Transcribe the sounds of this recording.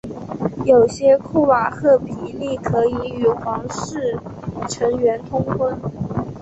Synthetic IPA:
jo˨˩ʊɕjɛ˥kʰu˥˩wa˨˩xɤ˥˩pi˨˩li˥˩kʰɤ˧˥i˧˥y˨˩xwɑ˧˥ŋʂɻ̩˥˩ʈ͡ʂʰɤ˧˥ŋɥɛ˧˥nt̪ʰʊ˥ŋkʰwə˥n

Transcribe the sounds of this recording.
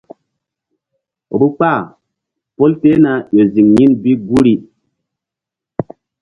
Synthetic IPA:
bu˦k͡pa˦˨ | po˦lte˦na˨jo˨zi˨ŋɲi˦nbi˦ɡu˦ɾi˦

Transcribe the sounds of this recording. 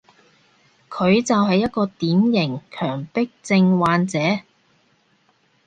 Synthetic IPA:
kʰɵ˨˧ɥt͡sɐ˨wɦɐ˨jːɐ˥t̚kɔː˧t̪iː˨˥mjɪ˨˩ŋkʰœː˨˩ŋpɪ˥k̚t͡sɪ˧ŋwaː˨˧nt͡sɛː˨˥

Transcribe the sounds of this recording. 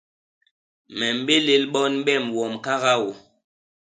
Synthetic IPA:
mɛ˨m˨be˦le˨lɓɔ˦n̩˦ɓɛ˦˨mwɔ˨mka˦ɣa˦wɔ˨

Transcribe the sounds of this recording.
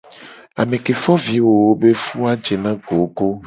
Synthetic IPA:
a˨mẽ˨ke˨fɔ˦vi˨wo˨wo˦be˦fu˦a˦d͡ʒe˨nã˦ɡo˨ɡo˦

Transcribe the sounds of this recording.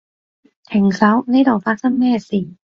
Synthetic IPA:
t̪ʰɛ˨˩ŋsa˧˦˥wnaː˦˥t̪ɔ˨˩faː˦˥sa˥˨mnɛː˥˩si˨˩

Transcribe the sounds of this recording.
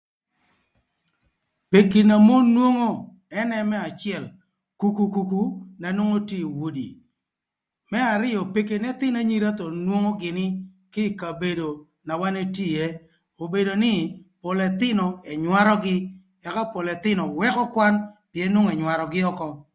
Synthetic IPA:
pe˨ki˨na˨mo˦nwo˦ŋo˦ | ɛ˦nɛ˦mɛ˦a˨t͡ʃɪ˦ɛ˦˨l | ku˨ku˨ku˨ku˦na˨nwo˦ŋo˦ti˦˨wo˦dḭ˨ | mɛ˦a˨ɾɪ˦jɔ˨pe˨ke˨nɛ˦t̪ɪ˦na˨ɲi˦ɾa˦t̪ɔ˨nwo˦ŋo˦ɡɪ˨nɪ˦ | kɪ˦˨ka˨be˨do˨ | na˨wa˦ne˦ti˦˨je˦ | o˨be˨do˨nɪ˦pʊ˨lɛ˨t̪ɪ˦nɔ˨ɛ˨ɲwa˦ɾɔ˦ɡɪ˦ | ɛ˨ka˦po˨lɛ˨t̪ɪ˦nɔ˨wɛ˦kɔ˦kwa˦npjɛ˨˦nwo˦ŋ˨ɛ˨ɲwa˨ɾɔ˨ɡɪ˦ɔ˦kɔ˦

